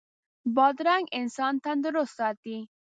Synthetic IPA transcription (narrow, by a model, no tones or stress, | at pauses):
bɑd̪ɾaŋɡɪnsɑnt̪and̪əɾʊst̪ɑt̪i